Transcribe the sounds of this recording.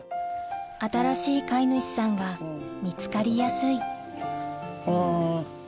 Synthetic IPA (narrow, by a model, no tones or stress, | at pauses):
at̪aɾaɕiːkainoɕi̥sãŋɡamʲit͡sɨ̥kaɾʲijasɨi